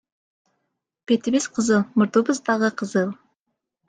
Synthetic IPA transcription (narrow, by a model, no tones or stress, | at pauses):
pet̪ɪbesqʰəzəlˠmʊɾt̪ubəzd̪ɑʁəqʰəzəlˠ